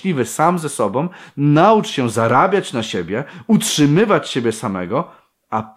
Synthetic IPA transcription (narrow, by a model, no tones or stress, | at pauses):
lʲivɘsamzɛsɔbɔ̃w̃naut͡ʂɕɛzaɾabʲjat͡ɕnaɕebʲjɛutʂɘmɘvat͡ɕɕebʲjɛsamɛ̰ɡɔ | a